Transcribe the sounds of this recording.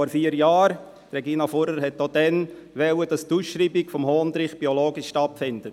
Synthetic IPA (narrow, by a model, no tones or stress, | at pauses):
ɔɾfiːəɾjɑːɾ | tɾɛɡiːnɑfʊɾəɾɦɛtːod̥ɛn | ʋɛwəd̥ɑstusʃɾiːbikfɔmhoːnd̪ɾɪχb̥iɔloːɡiʃʃtɑtfɪndə